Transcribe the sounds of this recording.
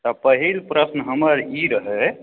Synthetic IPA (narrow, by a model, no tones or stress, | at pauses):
t̪ɔpəɦilpɾəsnəɦəməɾiɾəɦɛ